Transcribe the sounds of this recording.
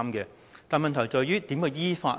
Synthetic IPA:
mkɛː˧ | t̪aː˨nmɐ˨nt̪ʰɐ˨˩wt͡sɔː˨˩jyː˥t̪iː˨˥mkə˧jiː˥fa̰ː˧

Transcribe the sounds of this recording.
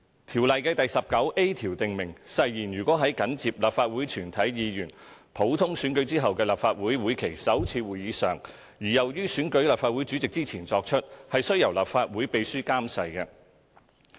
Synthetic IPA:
t̪ʰiː˨˩wlɐ˨jkɛː˧t̪ɐ˨jsɐ˨p̚kɐ˨˥wʔe˥t̪ʰiː˨˩wt̪ɪ˨ŋmɪ˨˩ŋsɐ˨jjiː˨˩njyː˨˩kʷwɔː˨˥ɦɐ˨˥jkɐ˨˥nt͡siː˨p̚laː˨p̚faː˧t̚wuː˨˥jt͡ʃʰyː˨˩nt̪ʰɐ˨˥jjiː˨˧jyː˨˩npʰo˨˥wt̪ʰʊ˥ŋsyː˨˥nkɵ˨˥ɥt͡siː˥ɦɐ˨wkɛː˧laː˨˩pfaː˧t̚wuː˨˥jwuː˨˥jkʰe˨˩jsɐ˨˥wt͡sʰiː˧wuː˨jiː˨˧sœ̰ː˨˩ŋ | jiː˨˩jɐ˨˩wjyː˥syː˨˥nkɵ˨˥ɥlaː˨pfaː˧t̚wu˨˥jt͡sy˨˥t͡sɪ˨k̚t͡siː˥t͡sʰiː˨˩nt͡sɔː˧k̚t͡ʃʰɵ˥t̚hɐ˨jsɵ˥ɥjɐ˨˩wlaː˨p̚faː˧t̚wuː˨˥jpe˨˧jsyː˥kaː˥msɐ˨jkɛː˧

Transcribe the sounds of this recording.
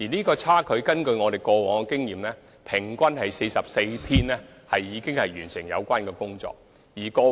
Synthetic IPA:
jiː˨˩niː˥kɔː˧t͡sʰaː˥kʰɵ˨˧ɥkɐ˥nkɵ˧ɥŋɔː˨˧ɾe˨jkɔː˧wɔː˨˩ŋkɛ˧kɪ˥ŋjiː˨˩mlɛː˥ | pʰɪ˨˩ŋkʷɐ˥nhɐ˨jse˧jsɐ˨p̚se˧jt̪ʰiː˥nɛː˥ | hɐ˨jiː˨˧˥kɪ˥ŋhɐ˨jjyː˨˩nsɪ˨˩ŋjɐ̰˨˧wkʷaː˥nkɛː˧kʊ˥ŋt͡sɔ̰ː˧k̚ | jiː˨˩kɔː˧

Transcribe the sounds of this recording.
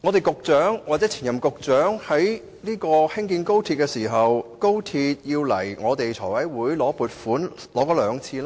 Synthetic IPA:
ŋɔː˨˧t̪e˨˩jkʊ˨k̚t͡sœː˨˥ŋwa˨t͡sɛː˨˥t͡sʰiː˨˩njɐ˨˩mkʊ˨k̚t͡sœː˨˥ŋhɐ˨˥j | niː˥kɔː˧hɪ˥ŋkiː˧nko˥wt̪ʰi˧t̚kɛ˧siː˨˩ɦɐ˨wko˥wt̪ʰiː˧t̚jiː˧wlɐ˨˩jŋɔː˨˧t̪e˨jt͡sʰɔ̰ː˨˩wɐ˨˥jwuː˨˥jlɔː˨˥puː˨˧t̚fuː˨˥n | lɔː˨˥kɔː˨˥lœː˨˧ŋt͡sʰiː˧laː˥

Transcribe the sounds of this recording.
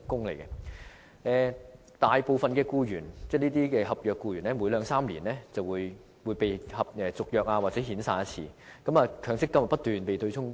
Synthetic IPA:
kʊ˥ŋlḛ˨˩jkɛ˧˥ | ɛː˨ | t̪aː˨jpo˨˧wfɐ˨nkɛː˧kuː˧jyː˨˩nt͡sɛː˥˧niː˥t̪̬iː˥kɛː˧ɦɐ˨p̚jœː˨˧kːuː˧jyː˨˩nlɛː˥muː˨˥jlœː˨˧ŋsaː˥mlḭː˨˩nlɛː˥t͡sɐ˨wuː˨˧j | wuː˨˧jpe˨jhɐ˨p̚ɛː˧t͡sʊ˨k̚jœː˨k̚aː˧waː˨t̚t͡sɛː˨˥ɦiː˨˥nsaː˧nɐ˥t͡sʰḭː˧kɐ˨˥maː˨˧kʰœː˨˥ŋsɪ˥kːɐ˥m˨tpɐ˥t̪yː˨npe˨jt̪ʰɵ˧ɥt͡sʰʊ˥ŋ

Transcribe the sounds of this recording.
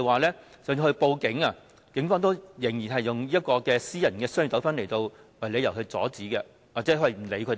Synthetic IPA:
waː˨˩lɛː˥ | sœː˨˥n˧hɵ˧ɥpo˧wkɪ˨˥ŋaː˧ | kɪ˨˥ŋfɔː˧˥ŋt̪o˥wjɪ˨˩ŋjiː˨˩nɦɐ˨˩jːʊ˨˩ŋliː˥ɐ˥t̚kɔː˧kɛː˧siː˥jɐ˨˩nkɛː˧sœː˥ŋy˨˩t̪ɐ˨˥wfɐ˥nle˨˩jt̪o˧w | wɐ˨jle˨˧jɐ˨˩wkɵ˧ɥt͡sɔ̰ː˨˥t͡siː˨˥kɛː˧ | waː˨k̚t͡sɛː˨˥wɐ˨˩m̩˨˩le˨˧kʰɵ˨˧˥

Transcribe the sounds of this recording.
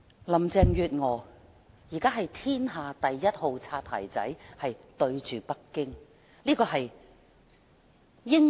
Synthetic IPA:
lɐ˨˩mt͡sɛː˨˧ŋjyː˨˧t̚ŋɔː˨˩ | jiː˨˩kaː˥ɦɐ˨jt̪ʰiː˥nɦaː˨˧t̪ɐ˨jːɐ˥t̚ho˨˧wt͡sʰaː˧t̪̚ʰːa̰ː˨˩jt͡sɐ̰˨˥jhɐ˨jt̪ɵ˧ɥt͡ʃyː˨˩pɐ˥kːɪ˥ŋ | liː˥kɔː˧ɦɐ˨j | jɪ˥ŋ

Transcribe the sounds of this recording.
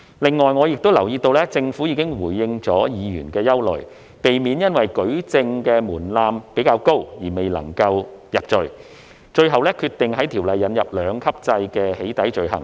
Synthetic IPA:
lɪ˨ŋːɔː˨jŋɔː˨˧jɪ˨k̚t̪o˥wlɐ˨˩wjiː˧t̪o˧wlɛː˥t͡sɪ˧ŋfuː˨˥jiː˧˥kɪ˥ŋwuː˨˩jːɪ˧ŋt͡sɔː˨˥jiː˨˧jyː˨˩nkɛː˧jɐ˥wlɵ̰˨ɥ | pe˨jmiː˨˥njɐ˥nwɐ˨jkɵ˨˥ɥt͡sɪ˧ŋkɛː˧muː˨˩nlaː˧mpe˨˥jkaː˧wko˥wjiː˨˩me˨jlɐ̰˨˩ŋkɐ˧wjɐ˨p̚t͡ʃɵ˨˧ɥ | t͡ʃɵ˧ɥɦɐ˨wlɛ˥kʰyː˧t̪ɪ˨ŋhɐ˨˥jt̪ʰiː˨˩wlɐ˨jːɐ˨njɐ˨p̚lœː˨˧ŋkʰɐ˥p̚t͡sɐ˧jkɛː˧he˨˥jt̪ɐ˨˥jt͡ʃɵ˧ɥɦɐ̰˨˩ŋ

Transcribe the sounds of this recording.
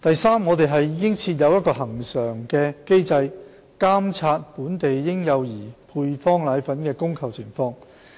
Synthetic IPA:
t̪ɐ˨jsaː˥mŋɔː˨˧t̪e˨jɦɐ˨jiː˨˧kɪ˥ŋt͡sʰiː˧t̬̚jɐ˨˧wjɐ˥t̚kɔː˧ɦɐ˨˩ŋsœː˨˩ŋkɛː˧ke˥jt͡sɐ˧j | kaː˥mt͡sʰaː˧t̚puː˨˥nt̪e˨jːɪ˥ŋjɐ˨˧wjiː˨˩pʰuː˧jfɔː˥ŋlaː˨˧jfɐ˨˥nkɛː˧kʊ˥ŋkʰɐ˨˩wt͡sʰɪ˨˩ŋfɔː˧ŋ

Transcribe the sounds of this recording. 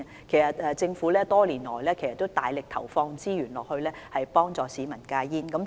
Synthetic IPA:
kʰe˨˩jsɐ˨t̚ɛː˧t͡sɪ˧ŋfuː˨˥lɛː˥t̪ɔː˥liː˨˩nlɔː˨˩jlɛː˥kʰjsɐ˨˩t̪ːo˥t̪a̰ː˨jlɪ˨k̚t̪ʰɐ̰˨˩wfɔː˧ŋt͡siː˥jyː˨˩nlɔː˨k̚hɵ˧ɥlɛː˥hɐ˨jpɔː˥ŋt͡sɔː˨˧siː˨˧mɐ˨˩nkaː˧jiː˥nkɐ˨˥m

